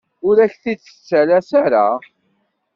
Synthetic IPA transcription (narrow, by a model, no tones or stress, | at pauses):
ʊɾæçθit͡sːə̥t͡sːælæsaɾa